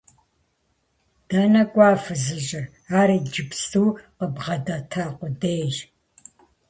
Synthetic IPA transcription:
d̥ɐnɐkʷʼɑːfɨzɨʑɪr | aːɾiːd͡ʒɪpstʰuːqəbʁɐdɐtʰaːqʷʊdeːʒ

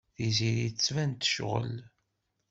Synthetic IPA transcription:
θiziɾit͡sːvænt̪ə̥ʃʁə̰l

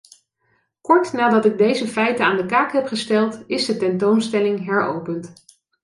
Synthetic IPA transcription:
kɔɹtnaːdɑtɪɡ̚dejzəfɛjtənaːndəkaːkɦɛpχəstɛlˠtɪzdətɛntownstɛlɪŋɦɛɹo̰wpənt

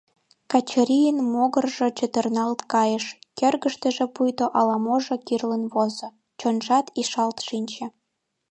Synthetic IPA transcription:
kɑt͡ɕəɾʲijənmoɣərʒet͡ɕə̆t̪ərnɑlt̪kɑjə̆ʃkerɣə̆ʃt̪ə̆ʒĕpujt̪oʔɑlɑmoʒekirlə̆nβozŏ | t͡ɕonʒɑt̪iʃɑlt̪ʃinʲt͡ɕĕ

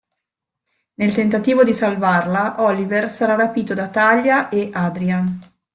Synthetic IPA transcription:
nelt̪ent̪at̪iːvod̪isalvarlaʔɔliversaɾarapiːt̪od̪at̪aʎːaʔeʔaːd̪ɾian

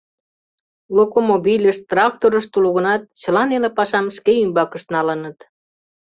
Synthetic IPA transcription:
lokomobilʲəʃt̪rɑk̚t̪oɾəʃt̪uloɣə̆nɑt̪̚t͡ɕəlɑnelepɑʃɑmʃkeymbɑkəʃt̪nɑlənət̪

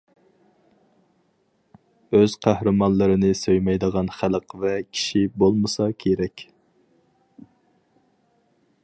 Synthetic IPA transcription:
øz̥qʰæhɾɨmɑnlˠɨɾɨnɨsøjmɛjd̪əʁɑnχælˠəqvɛkʲʰi̥ʃibolˠmɨsɑkʲʰeɾɛkʲ

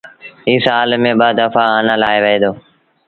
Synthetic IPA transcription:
iːsaːlmẽːɓəd̪əfaːənãːlaːeːʋəɦeːd̪oː

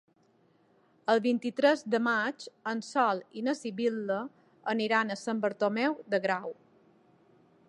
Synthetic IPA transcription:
əlˠβint̪it̪ɾɛzd̪əmat͡ʃənsɔlinəsiβilːə | əniɾanəsəmbəɾt̪omɛwd̪əɣɾaw

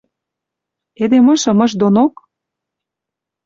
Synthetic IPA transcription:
ed̪emɤ̆ʃɤ̆mɤ̆ʃd̪onok

